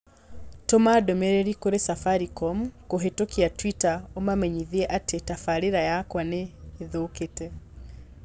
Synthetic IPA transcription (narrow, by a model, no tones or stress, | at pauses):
tomadomeɾeɾikoɾesafaɾikɔmkoɦetokiatwitaomamɛɲiðiɛʔatetafaɾeɾajakwaneːðoketɛ